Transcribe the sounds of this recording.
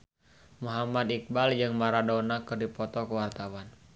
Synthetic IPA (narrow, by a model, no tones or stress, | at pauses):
muɦamad̪ik̚bald͡ʒɨŋmaɾadɔnakɨrdipɔt̪ɔkəwart̪awan